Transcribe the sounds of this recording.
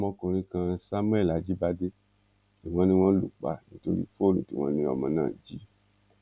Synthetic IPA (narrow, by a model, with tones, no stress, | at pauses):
mɔ̃˦kũ˧ɾĩ˦kã˧˦sa˦m˦ɛ˦˨la˨d͡ʒi˦ba˦de˦ | i˨w̃ɔ̃˦nĩ˦w̃ɔ̃˦lu˨k͡pa̰˨nĩ˦to˦ɾḭ˦fo˦˨lṵ̃˨ti˨˦w̃ɔ̰̃˦nĩ˦ɔ˨mɔ̃˧˦nãː˦˨d͡ʒi˦